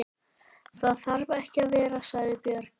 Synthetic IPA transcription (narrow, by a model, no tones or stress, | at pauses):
θaðθaɾvaɛhcɪaðvɛːɾasvaːjðɪpjœːɾ